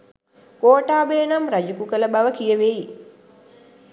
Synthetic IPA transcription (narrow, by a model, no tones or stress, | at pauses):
koːʈaːbeːnamrad͡ʒukukələbaʋəkijəʋeji